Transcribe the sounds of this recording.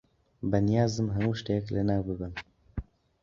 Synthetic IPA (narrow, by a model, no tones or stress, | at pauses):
bɛnijaːzɨmɦɛmuːʃtejɛklɛnaːwbɨbɨm